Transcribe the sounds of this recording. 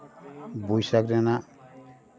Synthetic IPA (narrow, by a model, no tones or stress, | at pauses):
bujsakɾɛna